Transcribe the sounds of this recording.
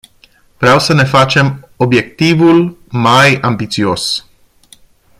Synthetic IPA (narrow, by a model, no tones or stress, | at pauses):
v̥ɾeawsəne̞fat͡ʃe̞mo̞bje̞k̚t̪ivulmajambit̪sio̞s